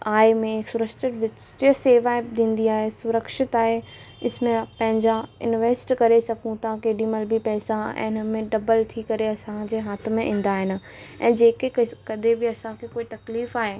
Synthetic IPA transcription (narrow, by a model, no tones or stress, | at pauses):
aːɪmẽɪksʊɾəkʃɪʈʋɪt͡ɕ | t͡ɕseːʋaːd̪ʱĩːnd̪iaːɦesʊɾəkʃɪt̪aːɦe | ɪsmẽpɐ̃ɦɪ̃ɲd͡ʑaɪ̰nʋeːsʈkɐɾesɐɡũt̪ʰakeːɖĩmɐlbʱɪpɛːsaɛ̰̃ːɪnəmẽɖɐbəlt̪ʰikɐɾeɐsãd͡ʑeːɦaːt̪ʰmẽʔĩːn̆d̪aːɦɪnɪ̆ɛ̃ːd͡ʑeːkekkɐd̪ʱebɪɐsãkʰekoːit̪ɐkliːfaːɦe